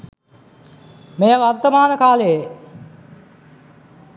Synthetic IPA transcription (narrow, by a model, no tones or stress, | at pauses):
mejəʋart̪əmaːnəkaːleje